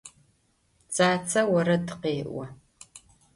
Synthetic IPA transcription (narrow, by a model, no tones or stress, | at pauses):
t͡sʼaːt͡sʰɐwɐɾɐdɨqeːʔʷɐ